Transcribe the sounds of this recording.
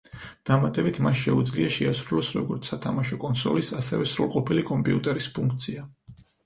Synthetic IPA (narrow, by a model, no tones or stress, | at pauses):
d̪̥amat̪ʼɛbit̪ʰmanʃɛud̪zliaʃɛasɾulɔsɾɔɡɔɾt̪sʰːat̪ʰamaʃɔkʼɔnsɔ̰lisasɛvɛsɾulˠqʼɔpʰilikʼɔmpʼiut̪ʼɛɾispʰuŋkʰt̪sʰia